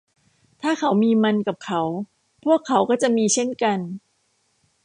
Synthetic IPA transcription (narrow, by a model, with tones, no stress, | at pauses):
t̪ʰaː˥˩kʰa˩˦wmiː˧ma˧nka˨˩p̚kʰa˩˦˥w | pʰu˥˩əkʰːa˩˦wkɔː˥˩t͡ɕa˨˩ʔmiː˧t͡ɕʰe˥˩nka˧n